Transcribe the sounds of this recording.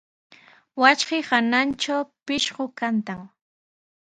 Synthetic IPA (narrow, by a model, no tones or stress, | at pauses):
wat͡ʃɢɪhanant͡ʃawpɪʃɢokant̪aŋ